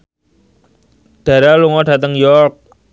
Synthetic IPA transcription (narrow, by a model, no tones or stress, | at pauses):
d̥a̤ɾaluŋɔda̤t̪əŋjɔrk̚